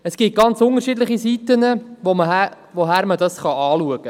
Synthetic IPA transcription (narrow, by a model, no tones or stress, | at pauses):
əsɡ̥it̚ɡ̥ɑnt͡sʊnəɾʃidləχisit̪ənəʋomə | ʋoɦæːɾmədɑsχɑɑːluəɡ̥ə